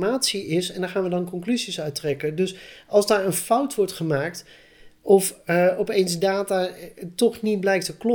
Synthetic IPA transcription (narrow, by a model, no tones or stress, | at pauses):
maːtsiɪsɛndaχaːnʋədɑnkɔŋklyzisœɥtrɛkədɵsɑlˠzdaːɹənfʌwtʋɔɹtχəmaːkt | ʔɔfɔpejnzdaːtatɔχnit̚blɛjk̚təklɔ